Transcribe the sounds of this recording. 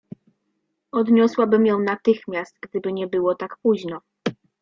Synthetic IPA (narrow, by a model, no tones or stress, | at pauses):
ɔd̪ɲɔswabɘmjɔ̃w̃nat̪ɘxmʲjast̪̚ɡd̪ɘbɘɲɛbɘwɔt̪akpuʑnɔ